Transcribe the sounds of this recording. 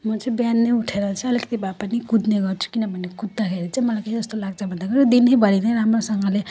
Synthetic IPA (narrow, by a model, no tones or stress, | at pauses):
mʌt͡sʌĩbjanːeuʈʰeɾʌt͡sʰĩʌlikʌ̥t̪ibapanikud̪neɡʌrt͡sʰu̥kinʌbʱʌnekud̪ːakʰeɾit͡sãĩmʌlajkʌid͡zʌst̪olaɡt͡sʰabʱʌnd̪akʌɾud̪inɦejbʱʌɾineramrosʌŋɡʌle